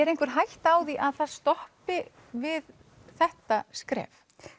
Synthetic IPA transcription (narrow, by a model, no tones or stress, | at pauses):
ɛɾejŋ̥kvʏɾ̥ɦajht̪aːwðiʔaðθaðst̪ɔhpɪ | vɪð | θɛht̪askɾɛ̰ːf